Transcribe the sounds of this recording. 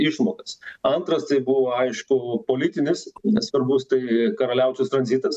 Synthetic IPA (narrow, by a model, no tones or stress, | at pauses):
ɪʃmoːkɐsɐnt̪ɾɐst̪ɐɪbuʋoːɐɪʃkʊpoːlʲɪt̪ʲɪnʲɪssʋɐɾbʊst̪ɐɪkɐɾɐlʲɛʊt͡ʃʲʊst̪ɾɐnʲzʲit̪ɐs